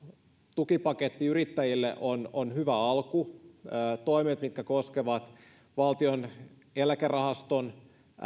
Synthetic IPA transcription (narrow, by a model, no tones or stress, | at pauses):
t̪ukipɑket̪ːiyrit̪ːæjilːḛʔononhyʋæɑlkuː | t̪oimet̪mit̪kækoskeʋɑt̪ | ʋɑlt̪ion | elækerɑhɑst̪on